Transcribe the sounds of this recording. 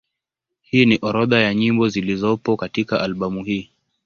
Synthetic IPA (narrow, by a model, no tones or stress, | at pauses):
hiːniʔɔɾɔðajaɲimbɔzilizɔpɔkatikaʔalɓamuhiː